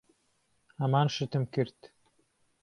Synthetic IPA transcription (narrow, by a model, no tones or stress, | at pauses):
hɐmɑːnʃɨt̪ɨmkɨɾt̪